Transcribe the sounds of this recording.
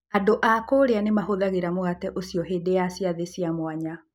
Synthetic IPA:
adoʔakoːɾeanemaɦoðaɣeɾamoɣatɛʔosiɔɦeːdejasiaðesiamwaɲa

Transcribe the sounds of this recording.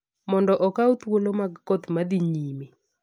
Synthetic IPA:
mɔndɔʔɔkaut̪wolomaɡkɔt̪mad̪iɲime

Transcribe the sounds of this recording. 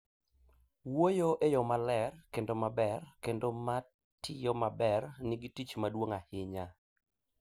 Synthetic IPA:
wojoʔejɔmalɛrkendomabɛrkendoma | tʰɪjomabɛrnɪɡitit͡ʃmadwoŋahɪɲa

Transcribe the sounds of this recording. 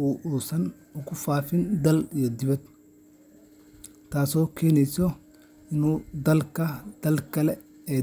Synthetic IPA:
uːʔuːsɐn | ʊkʰʊfaːfɪnd̪ɐlijɔd̪ɪβɐd̪̚ | t̪ʰaːsɔːkʰɛːnɛjsɔ | ɪnuːd̪ɐlkʰɐd̪̥ɐlkʰɐlɛ | ɛː

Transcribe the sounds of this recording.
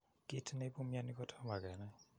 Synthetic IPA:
kitʰnejbumijanikɔtʰamaɡɛnaj

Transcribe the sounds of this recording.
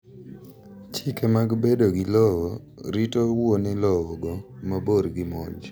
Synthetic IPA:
t͡ʃikemaɡbedoɡɪlɔwɔ | ɾitowonɪlɔwɔɡɔmaboɾɡɪmɔd͡ʒ

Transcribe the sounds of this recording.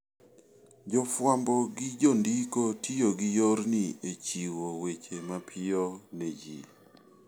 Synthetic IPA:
d͡ʒɔfwambɔɡɪd͡ʒondikotʰijoɡɪjoɾniet͡ʃiwowet͡ʃemapʰɪoned͡ʒḭ

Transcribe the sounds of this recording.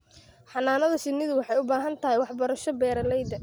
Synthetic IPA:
ħɑnaːnɐðɐsɪnːɪðʊwɑħɑjʊbaːɦɐnt̪ʰɐɦɛjwɑħbɐɾɐʃɔbɛːɾɐlɛjd̪ɐ

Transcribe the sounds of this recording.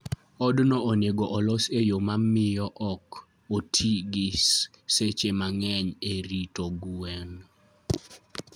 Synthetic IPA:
ɔdnɔʔɔneɡɔʔɔlɔsejomamɪjɔʔɔk | otʰiɡɪsset͡ʃemaŋɛɲeɾitoɡwɛn

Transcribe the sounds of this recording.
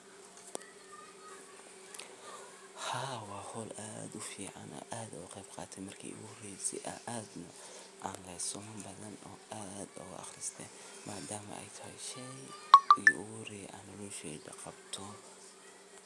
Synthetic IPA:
hɑːwɑːhɔlʔa̰ːd̪ʊfiːʕɑnʔɔ̰ːʔaːd̪ɐʊqɛjbqɑːt̪ʰɛjmɐrkʰḭʔʊ̰ɣʊhrɛsɪ̰ʔɐ̰ʔaːd̪nɐ | ʔaːnlɛjsɔmʊmbɐðɐnɔːaːd̪ɔ̰ɣʊ̰ɑ̰χrɪst̪ʰɛj | mʔaːd̪aːmɐ̰ɛ̰jt̪ʰɐʃɛ | ijɔʔʊɣʊɾɛjʔanɔlɔːʃɛdɐqɑbt̪ʰɔ

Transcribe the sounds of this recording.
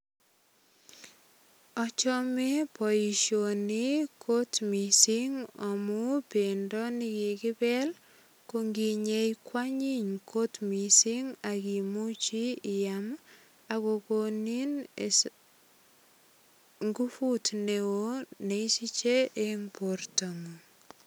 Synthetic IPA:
ɔt͡ʃɔmɛpɔjiʃonikʰotmisiŋɔmupendɔnikikɪbɛl | koŋɡiɲejkwaɲiɲkʰotmisiŋakimut͡ʃijam | akokonin | ŋɡufutnewoneisit͡ʃeʔemportamu

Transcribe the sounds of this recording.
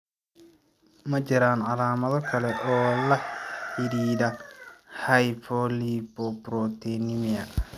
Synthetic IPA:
mɐt͡ʃɪɾaːnʕɑlaːmɐðɔkʰɐlɛʔɔːlɐħɪɾiːðɐhɐjpʰɔlibɔbɾɔt̪ʰɛnɪmɪɐ

